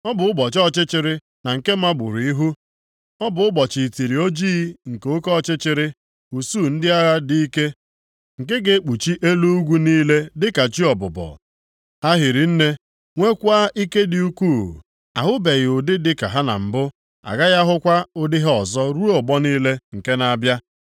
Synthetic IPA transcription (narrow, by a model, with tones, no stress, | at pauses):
ɔ˦bʊ˨ʊ˦bɔ˨t͡ʃɔ˦t͡ʃɪ˦t͡ʃɪ˨ɾɪ˦ | na˨ŋ̩˨ke˦ma˦ɡ͡bʊ˨ɾi˦ɦu˦ | ɔ˦bʊ˨ʊ˦bɔ˨t͡ʃi˨ti˨ɾi˨o˦d͡ʒiː˦ŋ̩˨ke˨o˦kɔ˦˨t͡ʃɪ˦t͡ʃɪ˨ɾɪ˦ | u˨suː˦˨n̩˦dɪ˦a˦ɣa˦di˦i˦ke˦ | ŋ̩˨ke˦ɡe˨˦k͡pu˨t͡ʃi˦ʔe˦lu˦u˦ɡʷu˦niː˦le˦dɪ˦ka˨t͡ʃi˦ɔ˨bʊ˨bɔ̰˨ | a˦ɦɪ˨ɾi˨n̩˦ne˦ | ŋʷe˦kʷa˦ʔi˦ke˦dɪ˨u˦kʷuː˦˨ | a̰˨ɦʊ˦be˨ɣɪ˨ʊ˨dɪ˦dɪ˦ka˨ɦa˦na̰˨m̩˨bʊ˦ | a̰˨ɡa˦ɣa˦ɦʊ˦kʷa˦ʊ˦dɪ˦ɦɔ˨zɔ˦ɾu˦ɔ˨bɔ˦niː˦le˦ŋ̩˨ke˦na˨a˨bja˦